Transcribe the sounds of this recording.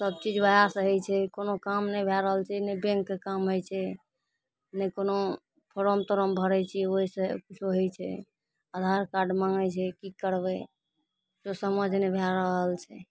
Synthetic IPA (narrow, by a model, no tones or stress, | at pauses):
səb̚t͡ʃid͡ʒbəɦasɦojt͡ʃʰɛkonokamnɛjbʱɛɾəɦəlt͡ʃʰɛnəbẽŋkːekamɦojt͡ʃʰɛ | nɛkono | pʰoɾomt̪əɾəmbʱəɾɛt͡ʃʰioɦisekut͡ʃʰoɦojt͡ʃʰɛ̰ | ad̪ʱaɾkaɾɖmaŋɡɛt͡ʃʰɛkikəɾbɛ | sosəməd͡ʒʱnɛbʱɛɾəɦəlt͡ʃʰɛ